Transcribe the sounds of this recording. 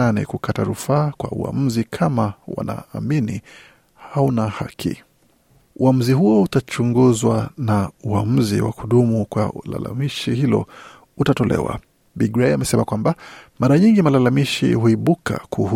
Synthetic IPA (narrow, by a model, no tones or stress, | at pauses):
anɛ̰kukʰataɾufaːkwa̰ua̰m̩zikʰamawa̰na̰ːmini | haunahakʰḭ | uam̩ziɦuɔutat͡ʃuŋɡuzwanauam̩zḭwa̰kuɗumukwala̰la̰miʃihilɔ̰ | utatɔlɛ̰wa̰ | biɡɾɛjamɛsɛmakwambamaɾaɲiŋɡimalalamiʃḭhuiɓuka̰kʰuh